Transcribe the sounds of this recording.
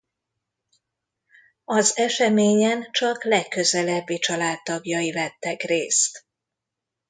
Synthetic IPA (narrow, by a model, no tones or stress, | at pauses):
ɒzɛʃɛmeːɲɛnt͡ʃɒklɛkːøzɛlɛbːit͡ʃɒlaːt̪ːɒɡjɒjivɛt̪ːɛkreːst̪